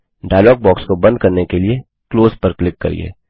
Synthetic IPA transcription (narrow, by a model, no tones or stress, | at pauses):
ɖaːjlɔːɡ̚bɔːkskobɐ̃nd̪̚kɐɾnekelie | kloːzpɐɾklɪkːɐ̰ɾḭḛː